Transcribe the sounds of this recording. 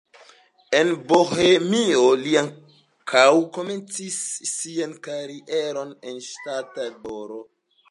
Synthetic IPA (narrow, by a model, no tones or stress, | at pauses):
enbohemioliaŋ | kawko̞me̞nt͡sisːiankaɾiʔeɾo̞nenʃtatalboɾo